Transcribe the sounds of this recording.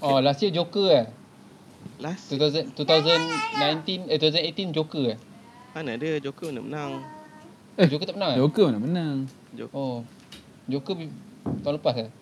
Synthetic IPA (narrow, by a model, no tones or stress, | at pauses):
ʔɔlasiəd͡ʒokəa | lst̪ut̪azənt̪ut̪awzənːãjnt̪inəut̪azənet̪ind͡ʒokəa | anadɨəd͡ʒokəməna̰mənãŋ | əd͡ʒokət̪apənãŋad͡ʒokəmənamənãŋ | ʔo | d͡ʒokəbit̪ãŋlupasa